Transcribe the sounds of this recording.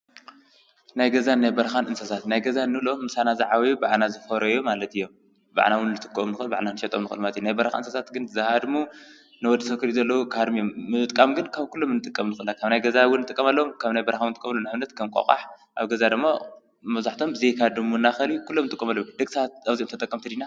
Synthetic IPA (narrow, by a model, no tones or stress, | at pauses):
najɡɐzanajbɐɾɐxanʔɨnsɐsat̪najɡɐzanːɨlomːɨsanazaʕawibaʕnazɨfɐɾɐjomalɐt̪ɨjːom | ba̰ʕnawʊnːɨt̪ʼɨ̥kʼːomnɨxɨɨlba̰ʕnanɨʃɐt̪ʼomnɨxɨlmalɐt̪jnajbɐɾxa̰ɨnsɐsat̪ɡɨnzahad̪mu | nɨwɔd̪ːit̪ʰɐkʰɨɾizɐlːɐwukʰahad̪mijomːɨt̪ʼkʼamɡɨnkʰaβkʰulːomɨnːɨt̪ʼɨkʼːɐmnɨxɨlːakʰaβnajɡɐzawʊnːɨt̪ʼɨkʼːɐmalːɐwomkʰaβnajbɐɾxawnɨt̪ʼɨkʼːɐmɐlːonaʕβnɐt̪kʰɐmkʼo̰kʼa̰ħ | ʔaβɡɐzad̪ɨmːa | mɐβzaħt̪ʰombɨzejkʰad̪ɨmunːaxɐlikʰulːomnɨt̪ʼɨkʼːɐmalːod̪ɐɡsat̪̚aβziʔomt̪ɐt̪ʼɐkʼːɐmt̪ʰɐd̪ina